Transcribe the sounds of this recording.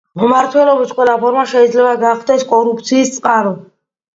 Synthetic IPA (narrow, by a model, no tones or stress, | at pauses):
mɔmaɾt̪ʰwɛlɔbit̪qʼwɛlapʰɔɾmaʃɛid̪zlɛbaɡaχd̪ɛskʼɔɾup̚ʰt̪sʰiːst̪sʼqʼaɾɔ